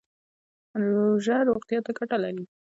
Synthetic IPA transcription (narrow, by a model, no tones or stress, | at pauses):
nloʒaɾoqt̪ijɑt̪akaʈalaɾi